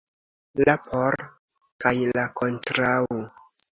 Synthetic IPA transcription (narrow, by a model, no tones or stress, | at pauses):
lapʰoɾ | kajlakontɾawo